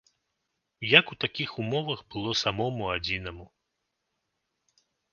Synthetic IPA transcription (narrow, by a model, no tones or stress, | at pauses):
jɐkut̪akʲixumɔvɐɣbɨlˠɔsamɔmuad͡zʲinɐmu